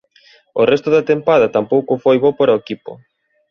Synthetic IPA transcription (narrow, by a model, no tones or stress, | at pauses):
orɛst̪ʊðɐt̪empaðɐt̪ampowkʊfojβopaɾɐoekipʊ̰